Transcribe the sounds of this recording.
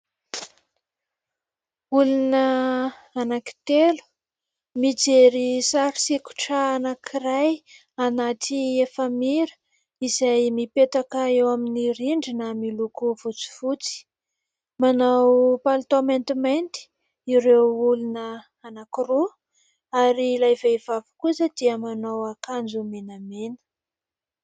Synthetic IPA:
ulunə | anaki̥t̪elu̥ | mid͡zeɾisaɾi̥siku̥ʈ͡ʂəanakʰiɾaj | anat̪iefəmiɾə̥ | izajmipet̪akəewaminiɾiɳɖ͡ʐinəmilukuvut͡si̥vut͡si̥ | manawpalt̪oment̪iment̪i̥ | iɾewulunə | anakiɾo | aɾilajvejvavu̥kusəd̪̥iəmanawakand͡zumenamenə̥

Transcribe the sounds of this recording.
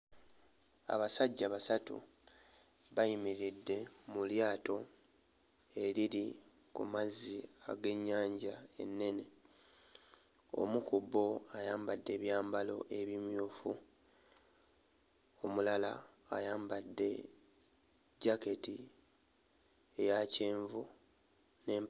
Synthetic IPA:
a̰βasaɟːaβasatṵ | βajimiɾidːe̞muljaːto̞ | e̞ɾiɾi | kṵmazːia̰ɡe̞ɲːaːɲɟae̞̰nːe̞ne̞ | o̞̰mukubo̞ajaːmbadːe̞ːβjaːmbalo̞̰ʔe̞βimjoːfu | o̞mulalaː | jaːmbadːe̞ | ɟake̞ti | ejaceːɱvu | ne̞ːm

